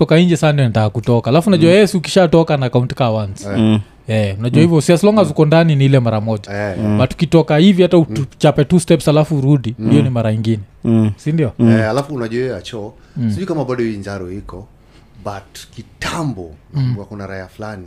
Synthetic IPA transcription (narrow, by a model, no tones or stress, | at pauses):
ɔkaiɲd͡ʒɛsaandiɔnatakakutɔkaalafunaʄuwajɛɛsiuki̥ʃatɔkanaːkauntkawans | ɛunaʄuahivjɔsiaslɔŋɡazukɔndaniniilɛmaɾamɔʄamatu̥kitɔkahivihatauut͡ʃapɛtustɛpshalafuɾuɗindiɔnimaɾaɲiŋɡinɛsindiɔɛalafuːnaʄuaɛat͡ʃɔ | siʄukamaɓaɗɔhiiɲd͡ʒaɾɔhikɔ | ɓatkitʰambɔwakunaɾaiaflani